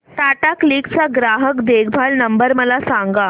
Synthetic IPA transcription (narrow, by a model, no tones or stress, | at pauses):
t̪aʈakliːkt͡saɡɾaɦəkd̪eɡbʱaɭnəmbəɾməlasaŋɡa